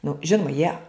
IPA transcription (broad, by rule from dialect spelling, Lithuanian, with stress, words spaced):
nʊ ˈʒʲɪnʊmɐ jiɛ